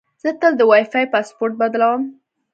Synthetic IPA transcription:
z̥ət̪əld̪əwɑjfajpaspoɾt̪̚bad̪lawəm

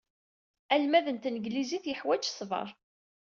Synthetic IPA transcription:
ælmæðənt̪nəɡliziθjəħwæd͡ʒsˤvɑ̰ɾˤ

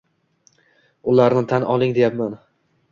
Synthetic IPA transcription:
ʊlaɾnɪt̪ʰanɒlˠɪŋd̪e̞japman

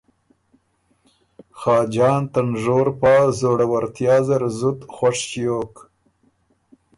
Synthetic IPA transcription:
xɑːd͡ʒɑːnt̪anʐoːɾpɑːzoɽawaɾt̪jɑːzaɾzʊd̪xwaʂt͡ʃijoːk

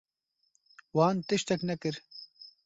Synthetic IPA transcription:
waːnt̪iɕt̪ɐknɐkiɾ

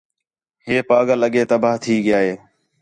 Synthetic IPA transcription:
ɦeːpaːɡãləɠeːt̪əbʱaːt̪ʰiːɠɪjaːɦeː

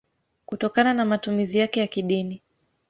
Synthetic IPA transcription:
kutɔkananamatumizijakɛjakiɗini

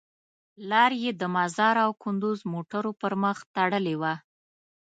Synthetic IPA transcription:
lɑɾjed̪əmazɑɾawkʊnd̪uzmoʈaɾopəɾməxt̪aɽəlewa

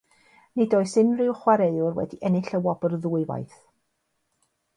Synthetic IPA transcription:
nɪdoːɨsɪnrɪwχwaɾejʊrwɛ̰diʔɛnɪɬəwɔbərðuːɨva̰jθ

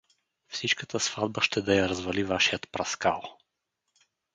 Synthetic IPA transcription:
fsit͡ʃkət̪əsv̥ad̪̚bəʃt̪ɛd̪ɐjɐɾɐzvɐlivaʃijət̪pɾɐska̰lˠ

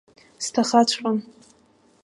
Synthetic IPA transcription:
stʰaχat͡ɕʷʰrʼan

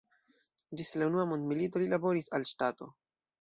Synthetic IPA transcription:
d͡ʒislaunuamondmilito̞lilabo̞ɾisalʃtato̞̰

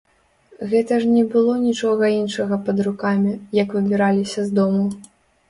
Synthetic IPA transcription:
ɣɛt̪ɐʂnʲɛbɨlˠɔnʲit͡ʂɔɣɐinʂɐɣɐpɐd̪rukamʲijɐkvɨbʲiɾalʲisʲɐzd̪ɔmu

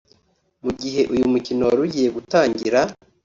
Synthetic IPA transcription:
muɡiɦe̞ʔujumucino̞waɾuɟije̞ɡutaːɲɟiɾa

